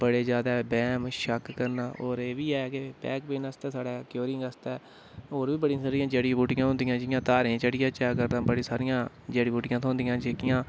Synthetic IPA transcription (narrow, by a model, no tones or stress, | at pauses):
bəɽeːzjaːd̪aːbɛːmʃəkːəɾnaːoːɾeːʋiːɛːkepɛ̰ːkbeːnəst̪ɛːsaːɽɛːkjoːɾɪ̃ŋɡəst̪ɛː | oːɾʋiːbəɽĩːsaːɾɪjãːd͡ʒeːɽiːbuːʈɪjãːɦʊ̃nd̪ɪjãːd͡ʒɪjãːt̪aːɾẽːt͡ʃəɽɪjãːt͡ʃɛːkəɾd̪ãːbəɽĩːsaːɾɪjãː | d͡ʒeːɽiːbuːʈɪjãːt̪ʰõːnd̪ɪjãːd͡ʒeːkɪjãː